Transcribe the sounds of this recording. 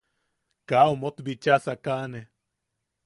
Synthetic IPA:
kaomot̪bit͡ʃasakaʔne

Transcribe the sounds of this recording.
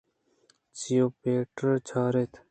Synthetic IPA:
t͡ɕijoːpeːʈəɾt͡ɕʰaːɾet̪ʰ

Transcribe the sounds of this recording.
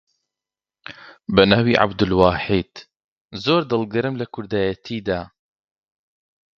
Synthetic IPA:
bɐnaːwiːʕa̰bd̪ɨlwaːħiːd̪̥ | zoːɾd̪ɨlˠɡɨɾɨmlɐkʰʊɾd̪aːjɐt̪ʰiːd̪aː

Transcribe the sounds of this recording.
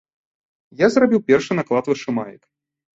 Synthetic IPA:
jazrabʲiwpʲɛrʂɨnaklˠat̪vɨʂɨmajɪ̰k

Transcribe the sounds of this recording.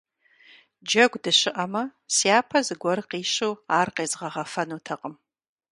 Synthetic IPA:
d͡ʒɐɡʷdɨɕɪʔɐmɐsiaːpʰɐzɨɡʷɔɾɨqiːɕuwaːrqeːzʁɐʁɐfɐnuːtʰɐqəm

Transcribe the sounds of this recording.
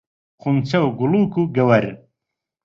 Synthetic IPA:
χunt͡sɐwɡuluːkuɡɐwɐɾ

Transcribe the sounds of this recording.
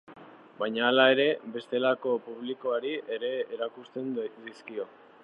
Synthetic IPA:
bajɲaːlae̞ɾe̞be̞st̪e̞lako̞puβliko̞aɾiʔe̞ɾe̞eɾakust̪e̞nd̪iskio̞

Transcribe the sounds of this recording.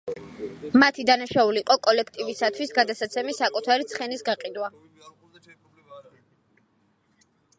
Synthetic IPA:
mat̪ʰid̪anaʃauliːqʼɔkʼɔlɛkʰt̪ʼivisat̪ʰwisɡad̪asat̪sʰɛmisakʼut̪ʰaɾit̪sʰχɛnisɡaqʼid̪wa

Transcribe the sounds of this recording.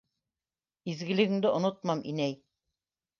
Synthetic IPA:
izɡɘ̆lɘ̆ɡɘ̆ŋd̪ɘʔŏnot̪̚mɑmʔḭnæj

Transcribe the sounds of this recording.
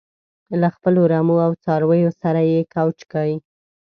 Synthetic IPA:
laxpəloɾamoawt͡sɑɾwəjosaɾajekawt͡ʃkawi

